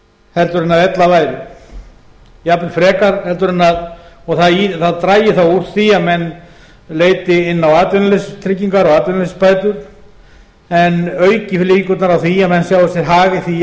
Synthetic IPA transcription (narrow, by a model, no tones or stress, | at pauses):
hɛlt̪ʏɾɪnːaðɛt̪lavaːjɾɪ | japnɪfɾɛːkaɾ̥hɛlt̪ʏɾɪnːaðɔɣθaðiθaðt̪ɾaːjɪθawur̥t̪θiamɛnː | leːjt̪ɪɪnːawaːt̪vʏnalest̪ʰɾɪcːiŋkaɾɔɣaːt̪vʏnalespaːjt̪ʏɾ̥ | ɛnœɥcɪfliŋkʏt̪naɾawθiamɛnːsjawðasɛɾ̥ɦaːɣɪθi